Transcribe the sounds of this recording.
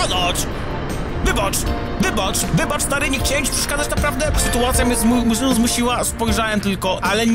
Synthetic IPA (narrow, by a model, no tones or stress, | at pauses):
ɔd̪ɔt͡ʂ | vɘbat͡ʂ | vɘbat͡ʂvɘbat͡ʂst̪aɾɪɲɛxt͡ɕawɛmt͡ɕpʂɛ̥ʂkad̪at͡ɕnapɾavd̪ɛsɨt̪uat̪sʲjamʲɛzmumʲʐɪnuzmuɕiwaspɔjʐawɛmt̪ɘlkɔʔalɛɲ